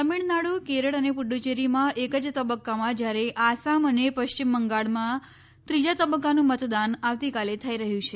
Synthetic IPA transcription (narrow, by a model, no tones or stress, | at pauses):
t̪əmiɭnaɽukeɾəɭənepʊɖut͡ʃeɾimãʔekəd͡ʒt̪əbəkːamãd͡ʒjaɾeʔasamənepəʃt͡ʃimːəŋɡaɭmã | t̪ɾid͡ʒat̪əbəkːanũmət̪d̪anaʋt̪ikalet̪ʰaiɾəɦjũt͡ʃʰe